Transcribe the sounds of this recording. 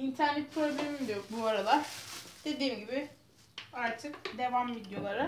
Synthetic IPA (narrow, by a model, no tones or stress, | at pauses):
int̪ʰæɾnɛt̪̚kʰɾoblʲemimd̪ibuaɾalˠaɾ̥d̪̥e̞d̪iːmɟibɪ | aɾt̪ʰɯkd̪e̞vamvid̪jo̞lˠaɾɯ